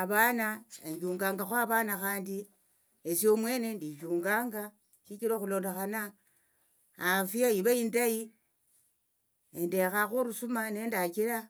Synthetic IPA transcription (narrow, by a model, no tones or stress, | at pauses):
aβaːnaeɲɟuːŋɡaːŋɡaxwaβaːnaxaːndi | esio̞mwe̞ːne̞ndit͡ʃuːŋɡaːŋɡa | ʃikiɾoxulo̞ːndexana | fiaiβaindai | ende̞xaxuɾusumane̞ːndakiɾa